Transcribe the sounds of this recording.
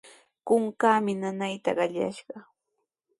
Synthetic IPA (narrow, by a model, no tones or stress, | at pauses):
kʊŋkaːmɪnanajt̪a̰ɢɑʎa̰ʃɢɑ